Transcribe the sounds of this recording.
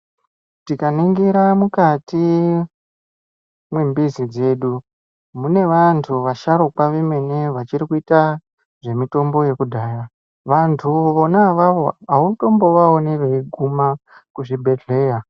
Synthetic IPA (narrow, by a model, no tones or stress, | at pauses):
tikaniŋɡiɾamukati | mwembizid͡ze̞ɗu | mune̞ʋantʰuʋaʃaɾokwaʋeme̞neʋat͡ʃiɾikuita | ʐe̞mito̞mbo̞je̞kudʱaːja | ʋantʰuʋonaʋaʋo̞auto̞mbo̞ʋaoneʋeiɡʱumakuʐibʱe̞de̞ːja